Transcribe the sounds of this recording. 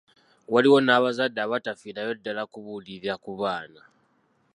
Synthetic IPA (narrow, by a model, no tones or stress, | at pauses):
waliwo̞naːβazadːaːβatafinajo̞dːalakuβuliɾiakuβaːna